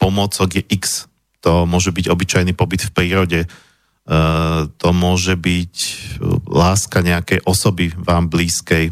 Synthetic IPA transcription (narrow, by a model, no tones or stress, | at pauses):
pɔmɔt͡sɔɡjɛʔiks | t̪ɔmʊɔʒɛbiɟɔbit͡ʃajnipɔbit̪fpɾiːɾɔɟɛ | t̪ɔmʊɔʒɛbic | laːskaɲɛakɛjʔɔsɔbiʋaːmbliːskɛj